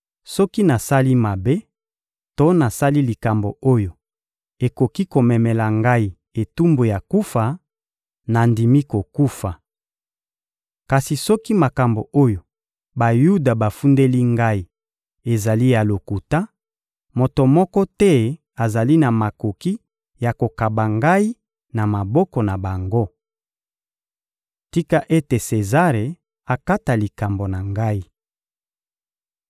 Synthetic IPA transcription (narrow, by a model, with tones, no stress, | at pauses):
sɔ˦ki˦na˨sa˦li˦ma˨be˦ | to˦na˨sa˦li˦li˨ka˨mbo̰˨o˦jo˨ | e˨ko˨ki˦ko˨mɛ˨mɛ˨la˨ŋɡa˦i˨ | e˨tu˦mbo˨ja˨ku˦fa˨ | na˨ndi˨mi˦ko˨ku˦fa˨ | ka˨si˨sɔ˦ki˦ma˨ka˨mbo˨o˦jo˨ | ba˨ju˦da˨ba˨fu˦nde˦li˦ŋɡa˦i˨ | e˨za˨li˦ja˨lo˨ku˨ta˦ | mo˨to˨mɔ˦kɔ˦tɛ˦ | a˨za˨li˦na˨ma˨ko˨ki˦ | ja˨ko˨ka˨ba˨ŋɡa˦i˦ | na˨ma˨bɔ˦kɔ˨na˨ba˨ŋɡo˦ | ti˦ka˦ʔe˦te˨se˨za˦ʁe˨ | a˨ka˦ta˨li˨ka˨mbo˨na˨ŋɡa˦i˦